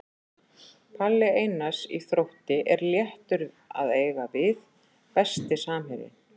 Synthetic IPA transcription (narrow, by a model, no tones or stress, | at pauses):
pʰalːɪejnasḭθɾowht̪ɪʔɛɾljɛht̪ʏɾða̰ðeːjɣavɪð | pɛst̪ɪsaːmɦɪɾɪ̰